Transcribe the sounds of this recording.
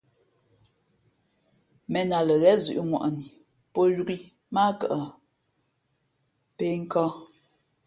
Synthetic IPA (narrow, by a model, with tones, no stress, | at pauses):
mɛ˨na˨lə˨ɣɛ˦zʉ̰˨ʔu˦ŋwa̰˨ʔni˨ | po˦ju˦ɡi˦ | ma˦kə˨ʔə˨ | pe˦ŋ̩˦kɔ˦